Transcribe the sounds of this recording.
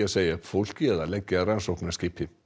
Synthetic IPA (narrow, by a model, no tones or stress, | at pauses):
aseːjafowl̥kjɛːðalɛcːɪaransowhknaskcɪːpʰɪ